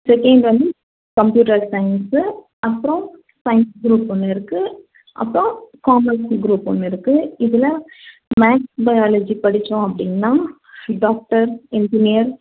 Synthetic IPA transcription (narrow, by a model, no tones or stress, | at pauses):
sɛkɐɳɖʋɐnd̪i | kɐmpjuːʈɐɾsɐɪns | ɐpːɯɾɔ̃ | sɐɪnsɡɾuːpːɔnːɯɪɾɯkːɯ | ʔɐ̰pːɾõkaːmɐɾsɡɾuːpːɔnːɪɾɯkːɯɪðɪlɐ | maːksbɐjaːlɐd͡ʒipɐɽɪt͡ʃːõɐpːɐɽɪnːaː | ɖaːk̚ʈɐɾɪnd͡ʒɪnɪjɐɾ